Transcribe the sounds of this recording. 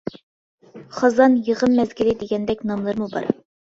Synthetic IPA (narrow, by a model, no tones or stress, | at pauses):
χɑzɑnjəʁəmːɛzɡʲilɪd̪ɪɡʲɛnd̪ɛkʲnɑmlˠɨɾmubɑ̰ɾ